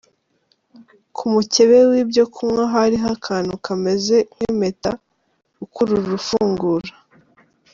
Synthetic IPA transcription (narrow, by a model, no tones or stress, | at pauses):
kʰumuce̞βewiːbjo̞kʰumŋaɦaɾiɦakʰaːnukʰame̞ze̞kweme̞ta | ɡukuɾuɾuɾufuːŋɡuɾa